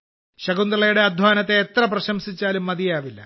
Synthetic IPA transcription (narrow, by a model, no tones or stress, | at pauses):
ɕɐɡund̪ɾɐɭɐjuɽe̞ɐd̪ʱʋaːnɐt̪ːe̞ːt̪rɐprɐɕɐmsit͡ɕːaːlumːɐðijaːʋilːɐ̰